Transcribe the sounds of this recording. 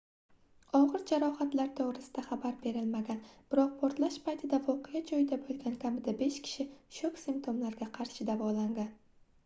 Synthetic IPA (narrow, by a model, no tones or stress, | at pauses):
ɒʁɨɾd͡ʒaɾɒhat̪laɾt̪ʰoʁɾɪsɪd̪aχabaɾbe̞ɾɪlmaɡʲanb̥ɪɾɒq̚pʰoɾt̪laʃpʰajt̪ʰɪd̪avɒqʰɪjad͡ʒɒjɪd̪abolˠɡʲankʲʰamɪd̪abe̞ʃkʲʰɪ̥ʃɪʃokʲsɪmp̚t̪ʰomlaɾɡʲaqʰɑɾʃɪd̪avɒlaŋɡʲan